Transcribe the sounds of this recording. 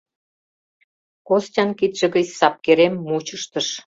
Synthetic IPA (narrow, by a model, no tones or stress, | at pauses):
kostʲɑnkit̪ʒ̥ĕɣət͡ɕsɑp̚keɾemːut͡ɕə̆ʃt̪ə̆ʃ